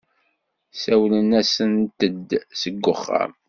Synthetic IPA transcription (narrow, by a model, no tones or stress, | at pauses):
sæwlənæsənt̪əd̪səɡːʊχːa̰m